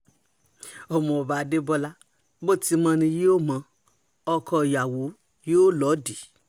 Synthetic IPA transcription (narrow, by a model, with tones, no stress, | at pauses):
o˨mɔ̃˨o˨ba˨˧de˦bɔ˧la˦ | bo˦ti˧mã˧nĩ˧je˦o˦mã˧ | ɔ˧kʰɔ˧˨ja˨wo˨˦ | je˦o˦lɔ˨˦di˨